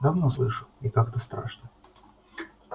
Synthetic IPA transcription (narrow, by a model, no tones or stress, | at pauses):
d̪ɐvnoslˠɨʂɨikakt̪əst̪ɾa̰ʂnə